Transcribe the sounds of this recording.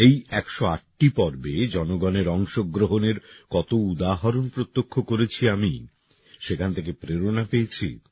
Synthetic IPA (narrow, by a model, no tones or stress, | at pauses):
ejɛkʃoaʈʈipɔɾbed͡ʑɔnoɡɔneɾɔŋʃoɡɾoɦoneɾkɔt̪oud̪aɦaɾonpɾot̪ːokʰːokoɾet͡ɕʰiami | ʃekʰant̪ʰekepɾeɾonapejet͡ɕʰḭ